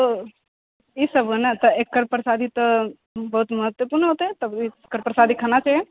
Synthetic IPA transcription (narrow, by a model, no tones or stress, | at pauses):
t̪o | isɐbʱənat̪ɐekːəɾpɾsad̪ʱit̪ɐ | bɐɦut̪mɐɦət̪wəpuːɾnəɦot̪oet̪ɐbikːəɾpɾəsad̪ʱikʰanat͡ʃʰe